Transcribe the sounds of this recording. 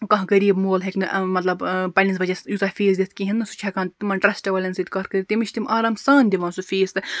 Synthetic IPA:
kɐ̃ɦkɐɾiːbmoːlɦeknɨʔmɐt̪lɐbpɐlʲinsbɐd͡ʒɐsjut̪ɐfiːzd̪ʲit̪̚ʰʲkiɦinːɨsu̥t͡ʃʰakaːnt̪imɐnʈɾɐsʈɐʋɐːlʲɐnsɐd̪ʲkɐɾkɐɾit̪ʲimiʃʰt̪imʔaːɾaːmsaːnd̪ʲiʋãːnsufiːst̪ɨ

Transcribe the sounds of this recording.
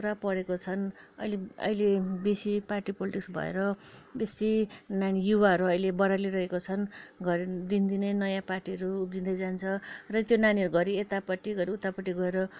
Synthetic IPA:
ɾapʌɽekot͡sʰʌnʌjleʌ̰jlebesiparʈipoliʈiksbʱʌ̰ḛɾʌbesinanijuwaɦʌɾuʌjlebʌɽaliɾʌɦekot͡sʰʌnɡʌɾd̪ind̪inenʌjãparʈiʌɾuːp̚d͡zind̪ajd͡zant͡sʰʌrʌt̪jonaniʌɾuɡʌɾiet̪apʌʈːiɡʌɾiut̪apʌʈːiɡʌeɾʌ

